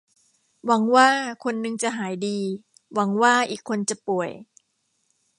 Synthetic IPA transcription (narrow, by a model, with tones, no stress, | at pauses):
wa˩˦ŋwaː˥˩kʰo˧nːɯ˧ŋt͡ɕa˨˩ɦaː˩˦jdiː˧ | wa˩˦ŋwaː˥˩ʔiː˨˩kʰːo˧nt͡ɕa˨˩pu˨˩əj